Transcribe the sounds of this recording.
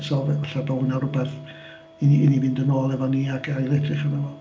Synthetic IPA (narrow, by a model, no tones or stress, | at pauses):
sɔvɛvaɬabɔhʊnaɾʊbɛθ | inɪnivɪndənoːlˠɛvɔniːaɡʰajlˠɛtʰrɪχanɛvɔ